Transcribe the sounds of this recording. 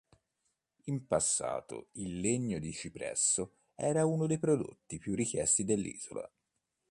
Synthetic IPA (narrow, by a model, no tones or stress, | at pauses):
impasːa̰ːt̪o̰ilːeɲːod̪it͡ʃipɾɛ̰sːo | ɛːɾaunod̪ejpɾod̪o̰t̪ːipjurːikjɛst̪id̪elːḭːz̥o̰la̰